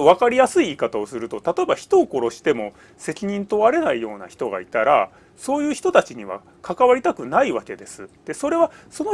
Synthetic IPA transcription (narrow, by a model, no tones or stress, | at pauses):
oβ̞akaɾʲijasɨiːkat̪ao̞sɨɾɯ̟t̪o̞t̪at̪o̞e̞baçi̥t̪oːko̞ɾo̞ɕi̥t̪e̞mo̞ | se̞kʲiɲ̟ĩnt̪o̞βaɾe̞naijo̞ːna̰çi̥t̪o̞ɡa̰it̪aɾa | so̞ːjɯ̟ːçi̥t̪o̞t̪at͡ɕiɲ̟iβa̰ | kakaβaɾʲit̪akɯ̟naiβake̞d̪e̞sɨd̪̥e̞so̞ɾe̞βaso̞no